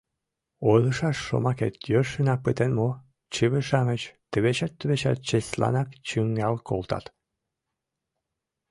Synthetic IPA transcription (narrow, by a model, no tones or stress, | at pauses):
olˠɤʃɑʃːo̰mɑkḛt̪jørʃɘ̆nɑk̚pət̪enmo | t͡ɕiβɘ̆ʃɑmɘ̆t͡ɕt̪ə̆βeɕæt̪ːə̆βeɕæ̰t̪̚t͡ɕeslɑ̰nɑkt͡ɕyŋɡɑlˠkʰo̰lˠt̪ɑ̰t̪